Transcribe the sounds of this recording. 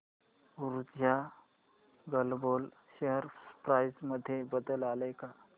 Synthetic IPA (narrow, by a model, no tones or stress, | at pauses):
uɾud͡ʒja | ɡəlbol | ɕeɦəɾpɾajsməd̪ʱːjebəd̪əlaləka